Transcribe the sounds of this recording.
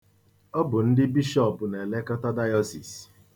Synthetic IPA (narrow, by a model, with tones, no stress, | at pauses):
ɔ˦bʊ˨n̩˦dɪ˦bi˦ʃɔ˦˨pʊ˨ne˨le˦kɔ˦tɔ˦da˦jɔ˦si˨s